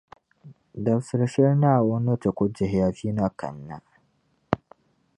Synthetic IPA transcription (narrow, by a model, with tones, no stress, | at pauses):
da˨bsɪ˦ɾʃɛ˦ɾna˦˨wo˦nɐ˦ta˨kʷʊ˦d͡ʒe˨ɦja˨ɸiː˦na˦kɐ̰˨nːa˦